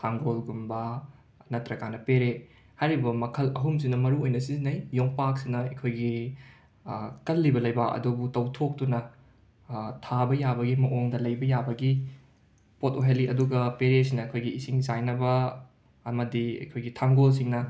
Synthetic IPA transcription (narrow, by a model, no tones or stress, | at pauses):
tʰaŋɡolɡumbɐ | nɐtɾɐkanɐpeɾe | hajɾibɐmɐkʰɐlɐɦums̬inɐmɐɾuojnɐsizinɐjjoŋpak̚sinɐɐkʰojɡi | kɐlːibɐlɐjbɐɐ̰dubutɐwtʰok̚tunɐ | tʰabɐjabɐɡimɐʔoŋdɐlɐjbɐjabɐɡi | potoɦeliɐduɡɐpeɾesinɐːkʰojɡiːsiŋzajnɐbɐː | mɐdiɐ̰jkʰojɡitʰaŋɡols̬iŋnɐ